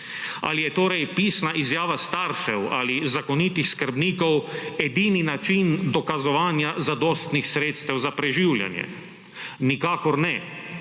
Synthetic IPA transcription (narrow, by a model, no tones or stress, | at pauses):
a̰lijɛt̪oːɾɛjpiːsnaʔizjaːʋast̪aɾʃɛwa̰ːlizakɔnit̪ixskəɾbniːkɔwɛd̪iːninat͡ʃind̪ɔkazɔʋaːnjazad̪ɔːst̪nixsɾeːt̪st̪ɛwzapɾɛʒiwlja̰njɛ̰ | nikaːkɔɾnɛ